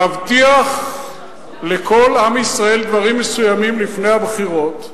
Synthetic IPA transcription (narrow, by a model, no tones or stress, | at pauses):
avt̪iaχ | le̞kʰo̞lamisʁae̞ld̪vaʁimːesujamimlifnejhabχiʁo̞t̪